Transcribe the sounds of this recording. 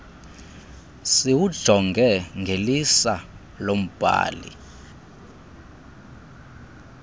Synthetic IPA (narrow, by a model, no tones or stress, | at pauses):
siwud̥ʒ̥ʱɔŋɡʱɛŋɡʱelisa | lom̩b̥ʱa̰ːlḭ